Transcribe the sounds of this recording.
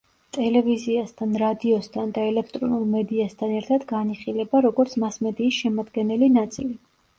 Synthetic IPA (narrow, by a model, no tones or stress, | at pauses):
t̪ʼɛlɛviziast̪ʰanɾad̪iɔst̪ʰand̪aɛlɛk̚ʰt̪ʼɾɔnulˠmɛd̪iast̪ʰanɛɾt̪ʰad̪ɡaniχilɛbaɾɔɡɔɾt̪sʰmasmɛd̪iːsʃɛmad̪ɡɛnɛlinat̪sʼḭli